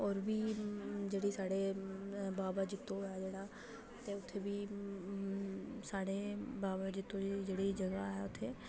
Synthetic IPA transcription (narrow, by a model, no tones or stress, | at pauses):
ɔːɾbiːd͡ʒeːɽiːsaːɽeːbaːbaːd͡ʒɪt̪ːõːɛːd͡ʒeːɽaː | t̪eːʊt̪ʰːeːbiː | saːɽeːbaːbad͡ʒɪt̪ːõːd͡ʒeːɽiːd͡ʒəɡaɦɛʊt̪ʰːeː